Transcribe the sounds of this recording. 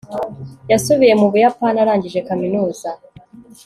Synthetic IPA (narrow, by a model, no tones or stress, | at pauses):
jasuβije̞muβujapanaɾaːɲɟiʒe̞kaminuːza